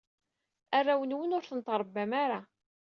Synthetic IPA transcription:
arˤːawənwənʊɾθənt̪ɾˤbːæmaɾa

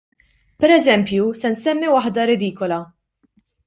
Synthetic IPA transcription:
pɛɾɛzɛmpjusɛnsɛmːiwɐħd̪ɐɾɪd̪iːkɔlɐ

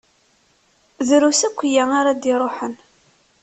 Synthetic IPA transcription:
ðɾusækʷːjæŋaɾad̪ɪɾˤoħən

